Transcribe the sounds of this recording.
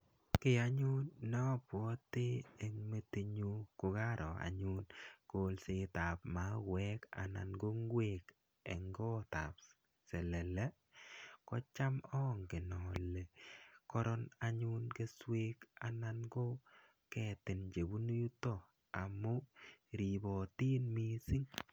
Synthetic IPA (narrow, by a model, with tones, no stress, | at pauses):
kɪ˨a˨˦ɲu˦nːɔ˦˨pwɔ˦tɪ˦e˨ŋme˦ti˨ɲu˦kʊ˨ɡa˦ɾʔɔ˨a̰˨ɲu˦nko˨˦lsɪ˦ta˨pma˨˦wɛ˦ka̰˨na̰˨nɡo˦ŋɡwe˨k | ḛ˨ŋɡɔ˦t̪a̰˨p̚ | sɛ˨lɛ˨lɛ˦ | kɔ˦t͡ʃa˦mɔ˦ŋkɪ˨nɔ˨le˨kɔ˦ɾɔ˦na˨ɲu˦nke˦swe˦ka˨na˦nɡo˦ | kɛ˦tɪ˨nd͡ʒe˨bu˦nu˦ju˦tɔ˦˨ | a˨mʊ˦ɾi˨bɔ˨tiː˦nmi˦sɪ˦ŋ